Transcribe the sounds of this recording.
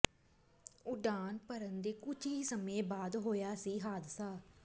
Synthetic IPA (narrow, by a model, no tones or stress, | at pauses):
ʊɖaːnpəɾənd̪eːkʊt͡ʃɦiːsəmẽːbaːd̪ɦoːjaːsiːɦaːd̪saː